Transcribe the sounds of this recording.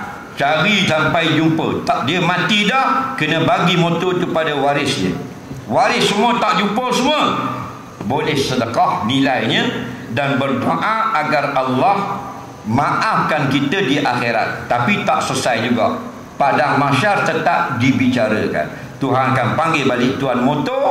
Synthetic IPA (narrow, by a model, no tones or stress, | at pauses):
t͡ʃaɾisampajd͡ʒumpət̪aʔdiəmãt̪idɔhkənə̃baɡimõt̪ot̪upadəwaɾɪsɲə̰ | waɾɪsːəmuət̪aʔd͡ʒumpəsəmuə | bolɛhsədəkɑhnilajɲədanbərdoʔãaɡaralːɑh | mãʔafkankit̪ədiʔaxeɾa̰t̪ːapit̪aʔsəsajd͡ʒuɡa̰ʔ | padaŋmãʃart̪ət̪ap̚dibit͡ʃaɾə̰ka̰n | t̪uɦanakanpaŋɡebalɪʔt̪uanmot̪o